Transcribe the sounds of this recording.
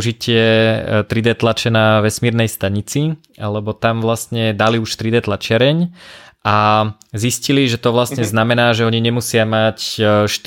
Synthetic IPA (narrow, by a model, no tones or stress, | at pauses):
ʒicɪɛt̪ɾid̪ɛt̪lat͡ʃɛnaʋɛsmiːɾnɛjst̪aɲit͡si | alɛbɔt̪amʋlast̪ɲɛd̪aliuʃt̪ɾid̪ɛt̪lat͡ʃɪaɾɛɲʔazisciliʒɛt̪ɔʋlast̪ɲɛznamɛnaːʒɛɔɲiɲɛmusɪamacʃt̪